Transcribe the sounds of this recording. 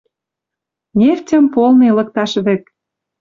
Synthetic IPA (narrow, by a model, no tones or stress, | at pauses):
nʲeftʲə̆mpolnelɤ̆k̚t̪ɑʃβĕk̪̚